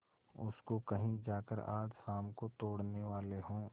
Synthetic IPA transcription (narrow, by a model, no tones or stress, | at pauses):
ʊ̰skokɐɦĩd͡ʒaːkə̰ɾa̰ːd͡ʒxaːmkot̪oːɽneʋaːleɦõː